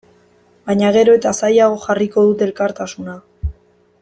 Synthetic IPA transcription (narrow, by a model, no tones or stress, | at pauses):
bajɲaɣ̞e̞ɾo̞e̞t̪asajaɣ̞o̞xariko̞ð̞ut̪elkaɾt̪asuna